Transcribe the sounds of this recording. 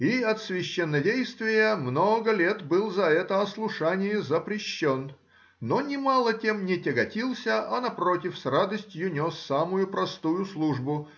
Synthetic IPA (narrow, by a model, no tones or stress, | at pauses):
iɐt̪svʲɪɕːɛnːədʲejst̪vʲɪjəmnoɡəlʲet̪bɨlˠzɐɛt̪əɐslˠʊʂanʲɪjəzəpɾʲɪɕːonː | onʲɪmalˠətʲe̞mnʲɪtʲɪɡɐtʲilˠsʲəʔɐnɐpɾotʲɪfsrad̪əsʲtʲjʊnʲo̞sːamʊjʊpɾɐst̪ujʊslˠuʐbʊ